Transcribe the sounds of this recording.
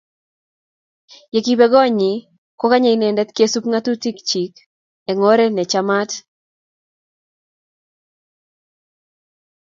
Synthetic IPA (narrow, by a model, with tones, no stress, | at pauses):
je˨ki˨bɛ˦ɡɔ˦ɲi˨ | ko˦ka˦ɲɛ˨i˦nɛ˨ndɛ˦t̪ke˦su˦pŋa˦tu˦ti˦kt͡ʃi˨k | ɛ˨ŋɔ˦ɾɛ˦nɛ˨t͡ʃa˦ma˦t